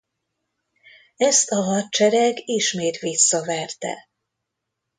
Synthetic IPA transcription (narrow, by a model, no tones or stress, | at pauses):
ɛst̪ɒɦɒt̪̚t͡ʃɛɾɛɡiʃmeːt̪ʋisːɒvɛrt̪ɛ̰